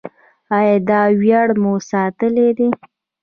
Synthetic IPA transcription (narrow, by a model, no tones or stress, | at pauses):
ɑjɑd̪ɑwjaɽmosɑt̪əled̪e